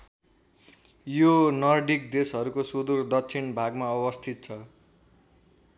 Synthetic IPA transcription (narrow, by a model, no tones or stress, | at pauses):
jonʌrɖik̚d̪esɦʌɾukosud̪urd̪ʌkt͡sʰinbʱaɡmaʌbʌst̪ʰit̪̚t͡sʰʌ